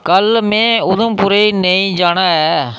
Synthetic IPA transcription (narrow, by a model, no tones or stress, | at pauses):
kəlmɛ̃ːʊd̪ə̃mpʊɾeːiːneĩːd͡ʒaːɽ̃aːɛː